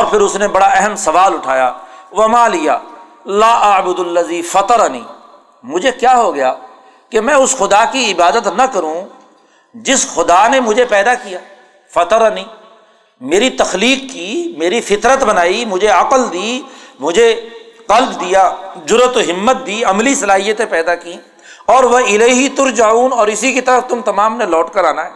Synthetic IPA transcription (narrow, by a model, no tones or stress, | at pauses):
ɔːɾpʰɪɾʊsnebɐɽaɛɦəmsɐʋaːlʊʈʰaːja̰ːʋɐmãːlija̰ː | laːʔɐbʊd̪əlːəziːfɐt̪əɾanḭː | mʊd͡ʒʱekjaːɦoɡɐjaː | kemɛ̃ʊsxʊd̪akiɪbaːd̪ət̪nɐkɐɾũː | d͡ʒɪsxʊd̪aːnemʊd͡ʒʱepɛːd̪akijaː | fɐt̪əɾniː | meːɾit̪ɐxliːqːimeːɾifɪt̪ɾət̪bɐnaːimʊd͡ʒʱeɐqəld̪iːmʊd͡ʒʱeqɐlbd̪ijad͡ʒʊɾət̪oɦɪmːət̪̚d̪iːɐmlisɐlaːɦijət̪ẽpɛːd̪aki | ɔːɾʋɐɪleːɦit̪ʊɾd͡ʒauːnɔːɾɪsikit̪ɐɾəft̪ʊmt̪ɐmaːmnelɔːʈkɐɾaːnaɦɛː